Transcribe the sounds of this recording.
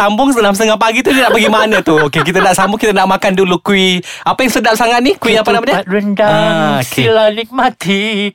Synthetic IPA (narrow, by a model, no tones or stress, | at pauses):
ambʊŋsədəlamsət̪əŋahpaɡit̪udinaʔpəɡimanat̪uokek̬it̪anaʔsambʊkit̪ənaʔmakandulukuwiapajaŋsədap̚saŋat̪̚nikuwiapanamaɲaɾəndaoskeilanik̚mat̪i